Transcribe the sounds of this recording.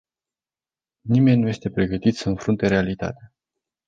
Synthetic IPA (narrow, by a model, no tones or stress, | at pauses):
nime̞nʲnuje̞st̪e̞pɾe̞ɡət̪it̪səɨnfɾunt̪e̞ɾe̞alit̪a̰t̪ea